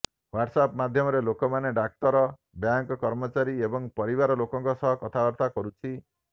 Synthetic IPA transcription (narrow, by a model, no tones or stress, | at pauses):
waʈsapmad̪ʱjɔmɔɾelokɔmaneɖak̚t̪ɔɾɔ | bjaŋkɔkɔɾmɔt͡ʃaɾiebɔŋpɔɾibaɾɔlokɔ̃ŋkɔsɔɦɔkɔt̪ʰabɔɾt̪akɔɾut͡ʃʰi